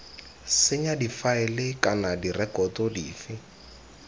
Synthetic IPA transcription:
sɪɲadifaɪlɪkanadirɛkɔtɔdḭːfɪ

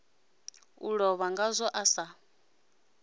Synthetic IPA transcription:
ṵɺɔβaŋɡazʷɔʔasa

